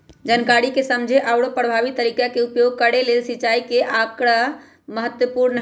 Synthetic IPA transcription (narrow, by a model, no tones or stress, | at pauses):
d͡ʒənkaɾikesəmd͡ʒʱeʔawɽopɾəbʱabit̪ːəɾikakeupjoɡ̚kəɽelelsit͡ʃaikeʔakɾa | məɦət̪wəpuɾnə